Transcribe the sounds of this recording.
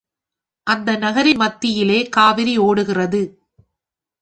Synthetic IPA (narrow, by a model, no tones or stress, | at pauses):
ʔɐnd̪ɐnɐɣɐɾɪnmɐt̪ːɪjɪleːkaːʋɪɾioːɽɯɣɪrɐðɯ